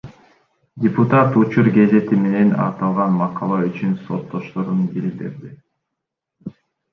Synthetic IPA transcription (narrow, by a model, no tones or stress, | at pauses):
dʲɪput̪at̪ut͡ʃuɾɡe̞ze̞t̪ime̞ne̞nɑ̰t̪ɑlˠʁɑnmɑqʰɑlˠɑyt͡ʃynso̞t̪ːo̞ʃt̪o̞ɾunɡilʲik̚t̪ḛɾd̪i